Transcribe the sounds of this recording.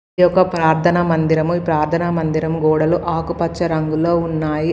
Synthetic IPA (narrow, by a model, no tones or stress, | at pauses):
jɔkːɐpɾaːɾt̪ʰɐnɐmɐnd̪iɾɐmuipɾaːɾt̪ʰɐnɐmɐnd̪iɾɐmɡɔːɽɐluʔaːkupɐt͡ʃːt͡ʃːɐɾɐŋɡulo̞ːunːaːji